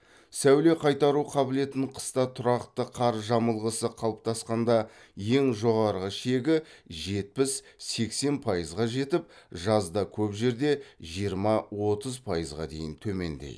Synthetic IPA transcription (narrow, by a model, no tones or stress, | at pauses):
sæwle̞qʰɑjt̪ɑɾuqʰɑbɪle̞t̪ɪɴqʰə̥st̪ɑt̪ʰʊɾɑqt̪əqʰɑɾʒɑməlˠʁəsəqʰɑlˠəp̚t̪ɑsqɑnd̪ɑ | je̞ŋʒo̞ʁɑɾʁəʃe̞ɡʲɪʒe̞t̪̚pɪsse̞kse̞npʰɑjəzʁɑʒe̞t̪ɪp̚ʒɑzd̪ɑkʲʰɵpʒe̞ɾd̪e̞ʒijəɾmɑwo̞t̪əzpʰɑjəzʁɑ̰d̪e̞jɪnt̪ʰɵme̞̰nd̪ḛj